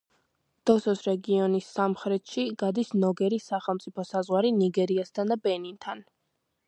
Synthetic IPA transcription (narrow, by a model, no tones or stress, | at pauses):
d̪̥ɔsɔsɾɛɡiɔnisːamχɾɛt̪ʰʃiɡad̪isnɔɡɛɾisaχɛlˠmt̪sʼipʰɔsazʁwaɾiniɡɛɾiast̪ʰand̪abɛnint̪ʰan